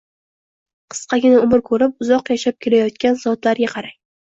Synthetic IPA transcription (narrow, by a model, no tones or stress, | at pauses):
qʰɨ̥sqɑɡʲɪnaʊmɪɾkʰɵɾɪpʊzɒqjaʃap̚kʲʰe̞lajɒt̪̚kʲanzɒd̪laɾɡʲaqʰɑɾaj